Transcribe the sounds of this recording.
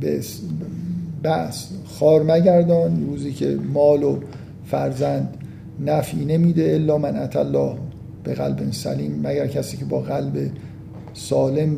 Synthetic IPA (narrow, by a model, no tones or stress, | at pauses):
bes | bæʔsxɒːɾmæɟæɾd̪ɒːnɾuːziːcʰe̞̰mɒːlo | fæɾzænd̪ | næfiːne̞miːd̪e̞elːɒːmænʔæt̪ʰælːɒːh | b̥eɣæ̰lbensæ̰liːmːæɟæɾcʰæsiːcʰebɒːɣælbe | sɒːle̞m